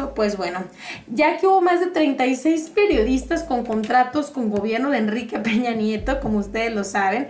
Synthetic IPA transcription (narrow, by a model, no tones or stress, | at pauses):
opwe̞zβwe̞no̞ | ɟ͡ʝakeuβo̞mazðe̞t̪ɾe̞jnt̪ajse̞jspe̞ɾjo̞ðist̪asko̞ŋko̞nt̪ɾat̪o̞sko̞ŋɡo̞βje̞ɾno̞ðeːnrike̞pe̞ɲanje̞t̪o̞ko̞moust̪e̞ðe̞zlo̞saβe̞n